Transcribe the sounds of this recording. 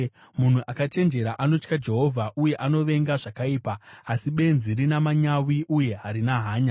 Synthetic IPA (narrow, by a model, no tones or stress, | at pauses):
mun̤uʔakat͡ʃe̞nd͡ʒe̞ɾaʔano̞t͡ʃkad͡ʒe̞ɦo̞vʱaʔuje̞ʔano̞ʋe̞ŋɡaʐakaiːpaːsiɓe̞nziɾinamaɲawiʔuje̞ɦaɾinaɦaːɲa